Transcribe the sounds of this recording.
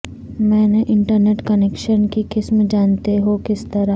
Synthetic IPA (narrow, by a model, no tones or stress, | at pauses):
mɛ̃ːneʔɪ̃ɳʈəɾneːʈkɐneːkʃənkikɪsmd͡ʒaːnt̪eɦokɪst̪ɐɾa